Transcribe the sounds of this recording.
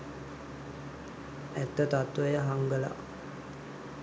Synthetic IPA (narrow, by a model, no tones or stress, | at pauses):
ɛt̪ːət̪at̪ːʋəjəɦaŋɡəla̰